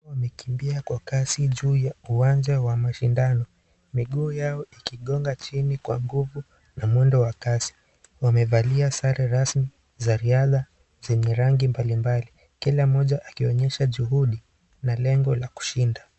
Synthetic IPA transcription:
wamɛkimbiakwakasiʄuːjauwand͡ʒawamaʃindanɔ | miɠuːjaɔikiɠɔŋɡat͡ʃinikwa̰ŋɡuvu | namwɛndɔwakasi̥ | wamɛvaliasaɾɛɾasmi | zaɾiaða | zɛɲɛɾaŋɡimbalimbali | kilamɔʄaʔakiɔɲɛʃaʄuɦuɗi | nalɛŋɡɔlaku̥ʃinda

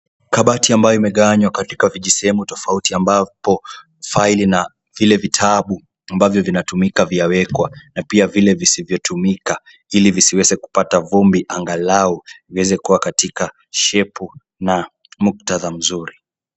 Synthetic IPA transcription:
kaɓatiambajɔimɛɠaaɲwakati̥kaviʄisɛhɛmutɔfautiambapɔ | failina | vilɛvitʰaɓu | ambavjɔvinatumikaviawɛkwanapiavilɛvisivjɔtʰumika | ilivisiwɛzɛku̥patavumbiʔaŋɡalauviwɛzɛkuwakatika | ʃɛpu | na | muk̚taðam̩zuɾi

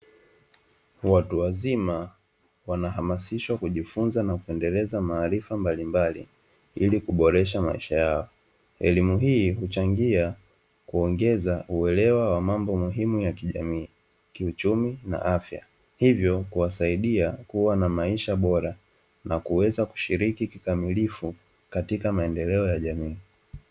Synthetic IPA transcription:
watuwazima | wanaɦamasiʃwakuʄifunzanakuɛndɛlɛzamaːɾifambalimbalḭ | ilikuɓɔɾɛʃ̬ama̰iʃajaɔ | ɛlimuɦiːhut͡ʃaŋɡia | kuɔŋɡɛzaʔuɛlɛwawamambɔmuɦimujakiʄa̰miː | kiut͡ʃumina̰ʔafja̰ | hivjɔkuwasaiɗiakuwanamaiʃaɓɔɾa | nakuwɛzaku̥ʃiɾikikikamilifu | katikamaɛndɛlɛɔjaʄamiː

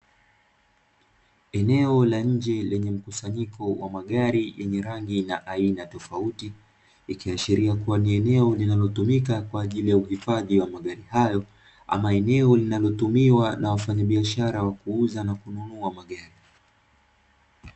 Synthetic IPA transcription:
ɛnɛɔlaɲ̩d͡ʒɛlɛɲɛm̩kusaɲikɔwamaɠaɾijɛɲɛɾaŋɡinaʔainatɔfautiː | kiaʃiɾiakuwaniɛnɛɔlinalɔtumikakwaːʄilijauhifaðiwamaɠaɾihajɔ | a̰maɛnɛɔlinalɔtumiwanawafaɲaɓiaʃaɾawakuuzanakununuamaɠaɾi

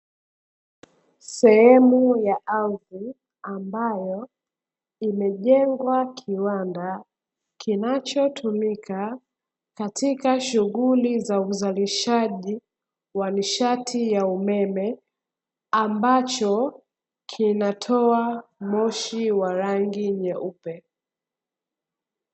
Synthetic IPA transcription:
sɛɦɛmujaʔaði | ambajɔ | imɛʄɛŋɡwakʰiwanda | kʰinat͡ʃɔtʰumikʰa | katʰikaʃuɣulizauzaliʃaʄi | waniʃatʰijaumɛmɛ | ambat͡ʃɔ | kʰinatʰɔamɔʃiwaɾaŋɡiɲɛʔupɛ

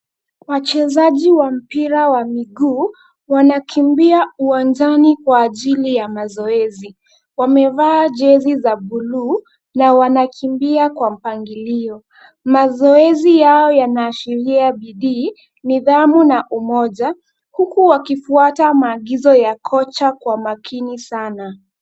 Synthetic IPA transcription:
wat͡ʃɛzaʄiwam̩piɾawamiɡuː | wanakʰimbiauwand͡ʒanikwaːʄilijamazɔɛzi | wamɛvaːʄɛzizaɓuluː | nawanakʰimbiakwam̩paŋɡiliɔ | mazɔɛzijaɔjanaːʃiɾiaɓiɗiː | niðamunaʔumɔʄa | hukuwakifuatamaːɠizɔjakʰɔt͡ʃakwamakʰinisana

